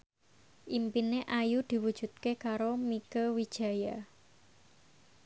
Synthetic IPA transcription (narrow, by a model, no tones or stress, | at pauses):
ʔimpineʔajud̪̥i̤wud̥ʒ̥ṳt̪̚kekaɾomikəwid̥ʒ̥a̤ja